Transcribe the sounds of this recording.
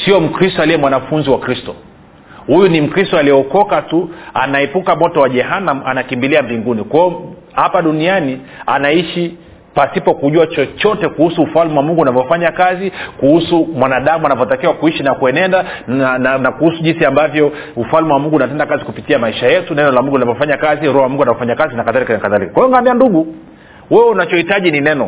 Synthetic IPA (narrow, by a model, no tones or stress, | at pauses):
siɔm̩kɾistɔaliɛmwanafunziwakɾistɔ | hujunim̩kɾistɔaliɛɔkɔkatua̰naipukamɔtɔwaʄɛɦanamanakimbiliambiŋɡunikwɔɔ | hapaɗuniania̰naiʃi | pasipɔkuʄuat͡ʃɔt͡ʃɔtɛkuhusuːfalmɛwamuŋɡuːnavjɔfaɲakazikuhusumwanaɗamuanavɔtakiwakuiʃinakuɛnɛndannakuhusuʄinsiambavjɔ | ufalmɛwamuŋɡunatɛndakazikupitiamaiʃajɛtunɛnɔlamuŋɡunavɔfaɲakaziɾuhawamuŋɡuanavɔfaɲakazinakaðalikanakaðalikḁkwajɔŋɡanianduɠu | wɛwɛunat͡ʃɔhitaʄininɛnɔ